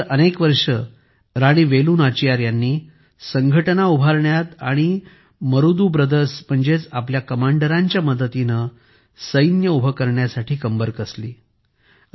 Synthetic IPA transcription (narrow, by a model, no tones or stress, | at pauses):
ʔənekʋəɾʂə | ɾaɽ̃iːʋeluːnat͡ɕijaɾjanːiː | səŋɡʱəʈənaubʱaɾɳjat̪aɽ̃i | məɾud̪uːbɾəd̪əsm̤əɳd͡zet͡sapljakəmaɳɖəɾaɲt͡ɕjaməd̪ət̪inə | səjnjəubʱəkəɾɳjasaʈʰiːkəmbəɾkəslḭː